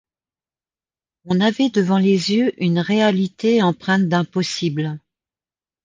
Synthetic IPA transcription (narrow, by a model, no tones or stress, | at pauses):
ɔ̃navɛd̪əvɑ̃lezjøʔynʁealit̪eɑ̃pχɛ̃t̪̚d̪ɛ̃pɔsibl